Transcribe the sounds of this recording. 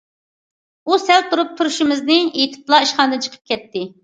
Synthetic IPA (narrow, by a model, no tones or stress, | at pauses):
usɛlt̪ʰuɾup̚t̪ʰuɾuʃɪmɪznɪet̪ʰɪ̥plˠɑiʃχɑnd̪ɨnt͡ʃʰə̥qʰə̥p̚kʲʰɛt̪ːɪ